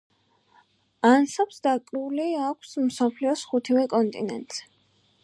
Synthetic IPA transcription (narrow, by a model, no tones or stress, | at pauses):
ansapsd̪akʼɾuliakʷʰsmsɔpʰliɔsχut̪ʰivɛkʼɔnt̪ʼḭnɛ̰nt̪ʼz̥ɛ̥